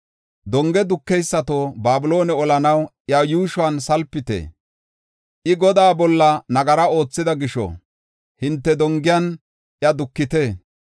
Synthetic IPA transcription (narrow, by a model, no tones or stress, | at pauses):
d̪ɔŋɡɛd̪ʊkːɛjsːɐt̪oːbaːbʊlo̞ːnɛɔlɐnɐw | jɐjuːʃʊansɐlpːɪt̪ḛː | ʔɪɡɔd̪aːbɔlːɐnɐɡɐɾɐo̞ːt͡sːɪd̪ɐɡɪʃɔ̰ | hɪnt̪ːɛd̪ɔŋɡɪjɐn | ʔjɐd̪ʊkːɪt̪eː